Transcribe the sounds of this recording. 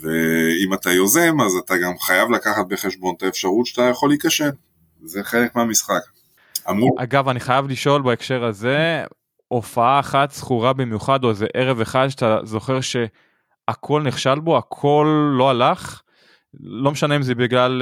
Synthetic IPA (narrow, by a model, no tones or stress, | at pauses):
veimat̪ajo̞zemazat̪aɡamχajavlakaχat̪̚be̞χe̞ʃbo̞nt̪aefʃaʁut̪ʃat̪ajaχo̞litkaʃem | zeχelekmeamisχak | amʁuʔaɡavaniχajavliʃo̞lbaekʃe̞ʁaze | ʔo̞faaːχat̪sχuʁabimjuχad̪ozeʔe̞ʁe̞ve̞χad̪ʃat̪azo̞χe̞ʁʃe̞ | akʰo̞lniχʃalbo̞akʰo̞lːo̞alaχː | o̞meʃaneimzebiɡlal